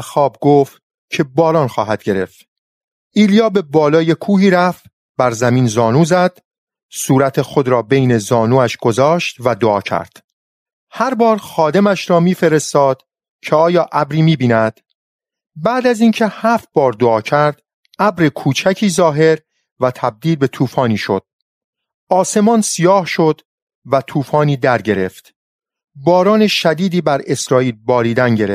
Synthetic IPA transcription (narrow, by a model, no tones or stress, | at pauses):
xɒːb̚ɡoːft̪ | cʰe̞bɒːlɒːnxɒːɦæd̪̥̚ɟe̞ɾe̞ft̪ | iːlijɒːbe̞bɒːlɒːje̞kʰuːhiːɾæft̪ | bæɾzæmiːnzɒːnuːzæd̪̥ | suːɾæt̪ʰe̞xod̪ɾɒːbe̞jne̞zɒːnuːæʃɡ̥o̞zɒːʃt̪væd̪oɒːcʰæ̰ɾd̪̥ | hæɾbɒːɾxɒːd̪e̞mæʃɾɒːmiːfe̞ɾe̞st̪ɒːd̪̥ | cʰe̞ɒːjɒːʔæbɾiːmiːbiːnæd̪̥ | bæːd̪æziːncʰe̞hæft̪̚bɒːɾd̪oɒːcʰæɾd̪̥ | æbɾekʰuːt͡ʃʰæcʰiːzɒːɦe̞ɾ | væt̪ʰæb̚d̪iːlbe̞t̪ʰuːfɒːniːʃo̞̰d̪̥̚ | ɒːse̞mɒːnsijɒːhʃo̞d̪ | væt̪ʰuːfɒːniːd̪æɾɟe̞ɾe̞̰ft̪ | bɒːɾɒːneʃæd̪iːd̪iːbæɾe̞sɾɒːiːlbɒːɾiːd̪ænɟe̞ɾef